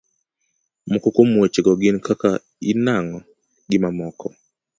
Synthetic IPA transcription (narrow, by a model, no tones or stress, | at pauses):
mokokomwot͡ʃeɡɔɡɪnkaka | inaŋɔ | ɡɪmamɔkʰɔ